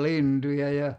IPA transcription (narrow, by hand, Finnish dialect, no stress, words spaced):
lintujɑ jɑ